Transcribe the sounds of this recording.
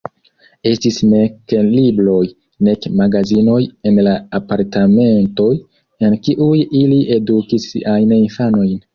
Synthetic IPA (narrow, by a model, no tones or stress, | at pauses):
e̞stisne̞kelibɾo̞j | ne̞kmaɡazino̞je̞nlaːpaɾtame̞nto̞j | enkiʔujiliʔe̞dukisːḭʔajninfano̞jn